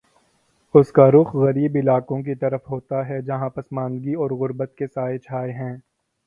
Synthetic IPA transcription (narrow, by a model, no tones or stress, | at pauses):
ʊskaɾʊxɣɐɾiːbɪlaːkõk̬it̪ɐɾəfɦoːt̪aɦɛd͡ʒɐɦãpɐsmãːnd̪ɡiɔːɾɣʊɾbət̪̚kesaːet͡ʃʰaːeɦɛ̃ː